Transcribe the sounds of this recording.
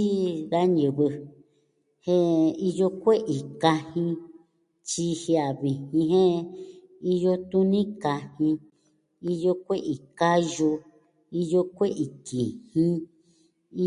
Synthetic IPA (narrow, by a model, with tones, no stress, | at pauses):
i˦ða˦ɲɨ̃˨βɨ˧ | hẽ˦i˧jo˧kʷe˦ʔi˨ka˧hĩ˧ | t͡ʃi˧hi˧a˨βi˨hĩ˧ɦẽ˦ | i˦jo˦t̪u˦nĩ˦ka˧hĩ˧ | i˦jo˦kʷe˦ʔi˨ka˦jo˧ | i˦jo˧kʷe˦ʔi˨ki˨hĩ˦ | i˦